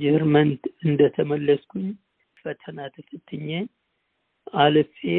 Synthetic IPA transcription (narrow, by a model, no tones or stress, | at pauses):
d͡ʒɪhɨɾmənt̪ɨnd̪ət̪ʰəməlːəskʰʷuɲ | fət̪ʰənat̪ʰɨfɨt̪ʰːɨɲːaɲ | alɨfe